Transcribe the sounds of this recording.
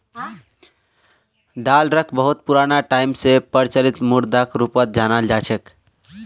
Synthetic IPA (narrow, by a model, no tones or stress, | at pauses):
ɖalɾəkʰbəɦut̪̚puɾanaʈaimsepəɾt͡ʃəlit̪muɾd̪akɾupət̪̚d͡ʒanald͡ʒat͡ʃʰək